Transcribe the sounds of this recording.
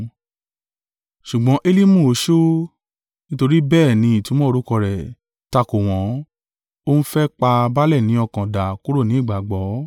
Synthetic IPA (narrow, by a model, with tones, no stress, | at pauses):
ʃu˨ɡ͡bɔ̃˨˦ʔe˦li˦mũ˦˨o˨˦ʃo˦ | nĩ˦to˧ɾi˦bɛː˦˨nĩ˨˧˦i˨tũ˨˦mɔ̃˦˧ɾu˦kɔ˧ɾɛ˨ | ta˧ko˨w̃ɔ̃˨˦ | o˦ñ̩˦fɛ˦k͡pa˧ba˦lɛ˦˨nĩ˨˦ɔ˧˨kã˨da˨ku˦ɾo˦˨nĩ˨˦i˦˨ɡ͡ba˨ɡ͡bɔ˨˦